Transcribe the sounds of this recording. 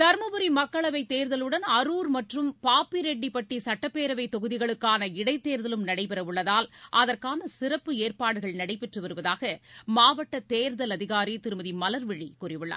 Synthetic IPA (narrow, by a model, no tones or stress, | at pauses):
t̪ɐɾmɐbɯɾimɐkːɐɭɐʋɐɪt̪eːɾðɐlɯɽɐnɐɾuːɾmɐʈrɯmpaːpːiɾɛɳɖipɐʈːisɐʈːɐpːeːɾɐʋɐɪt̪ːɔɣɯðɪɣɐɭɯkːaːnɐɪɽɐɪt̪ːeːɾðɐlɯmnɐɽɐɪpɛɾɐɯɭːɐðaːlʔɐðɐrkaːnɐsɪrɐpːɯeːrpaːɽɯɣɐɭnɐɽɐɪpɛʈrɯʋɐɾɯʋɐðaːɣɐmaːʋɐʈːɐt̪eːɾðɐlɐðɪɣaːɾit̪ɪɾɯmɐðimɐlɐɾʋɪɻikuːrɪʋɯɭːa̰ː